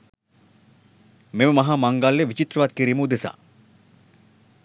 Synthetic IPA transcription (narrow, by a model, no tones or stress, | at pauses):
meməmɐɦaːmɐŋɡalːeʋit͡ʃit̪ɾəʋaːt̪̚kiɾiməud̪esa̰ː